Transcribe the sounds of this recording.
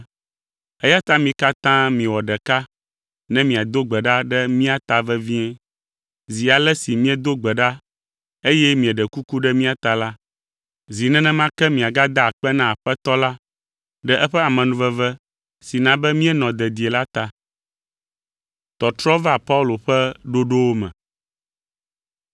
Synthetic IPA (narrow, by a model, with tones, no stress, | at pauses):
ɛ˦ja˦t̪a˦mĩ˨ka˦t̪ã˦mĩ˨wɔ˨ɖɛ˨ka˦ | nɛ̃˦mĩ˨a˨d̪o˦ɡ͡bɛ˨ɖa˦ɖɛ˦mĩ˦a˨t̪a˨vɛ˦vĩ˦ɛ˦ | zi˨a˨lɛ˦si˨mĩ˦ɛ˦d̪o˦ɡ͡bɛ˨ɖa˦ | e˦jɛ˦mĩ˨ɛ˨ɖɛ˨ku˦ku˦ɖɛ˦mĩ˦a˨t̪a˨la˦ | zi˨nɛ̃˦nɛ̃˦mã˦kɛ˦mĩ˨a˨ɡa˦d̪a˦˨k͡pɛ˦nã˦a˨ɸɛ˦t̪ɔ˦la˦ | ɖɛ˦ʔɛ˦ɸɛ˦a˨mɛ̃˨nũ˨vɛ˦vɛ˦ | si˨nã˨bɛ˦mĩ˦ɛ˦nɔ̃˨d̪ɛ˨d̪i˨e˨la˦t̪a˨ | t̪ɔ˨t̪ɾɔ˦va˦˨pa˦u˦lo˨ɸɛ˦ɖo˦ɖo˦wo˦mɛ̰̃˨